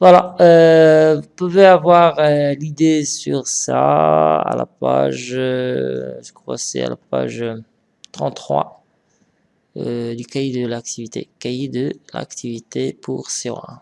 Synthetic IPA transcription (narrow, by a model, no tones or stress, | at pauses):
vwalaøvupuveavwaʁlid̪esyʁsaa̰lapaʒ | sə̥kwasɛ̰a̰lapaʒ | t̪χɑ̃t̪ːχwa | d̪ykajid̪əlak̚t̪ivit̪ḛkaid̪əla̰kt̪ivit̪epʰuʁseɔ̰ɛ̃